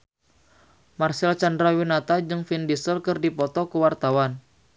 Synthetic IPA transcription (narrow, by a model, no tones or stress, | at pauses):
marsɛlt͡ʃandɾawinat̪ad͡ʒɨŋfindisəlkɨrdipɔt̪ɔkəwart̪awan